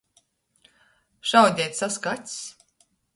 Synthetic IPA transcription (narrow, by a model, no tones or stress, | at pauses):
ʃawd̪ʲɛjt̪ʲsaskat̪ʲs